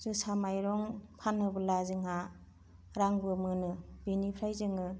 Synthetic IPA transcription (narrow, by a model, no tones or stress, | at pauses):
z̥ɯsamajɾɔŋpʰanɯbɯlazɯŋɦa | ɾaŋbɯmɯnɯbinipʰɾajzɯŋɯ